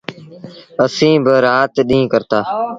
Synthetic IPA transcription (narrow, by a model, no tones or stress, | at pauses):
əsĩːbəɾaːt̪ɗĩːkəɾt̪aː